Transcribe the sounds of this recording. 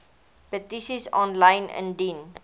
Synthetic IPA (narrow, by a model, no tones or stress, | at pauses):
pətisizɔ̃nlãɪ̃nə̰̃ndĩn